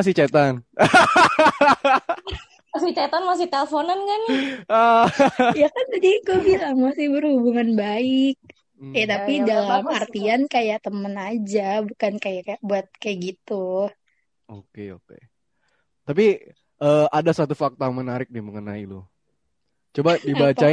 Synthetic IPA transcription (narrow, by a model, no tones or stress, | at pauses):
asɪht͡ʃet̪an | masɪht͡ʃat̪anmas̬ɪht̪elfonankanə | jakand̪adikobilaŋmasɪhbərhubuŋanbaɪk̩̚ | ɛt̪apidalamart̪iankajaʔt̪əmənad͡ʒabukankajakajabuat̪̚kajaʔɡit̪u | okeokḛ | t̪api | ʔəːadasat̪ufak̚t̪aaŋmənaɾɪk̚diməŋəna̰ilʊ | t͡ʃobadibat͡ʃa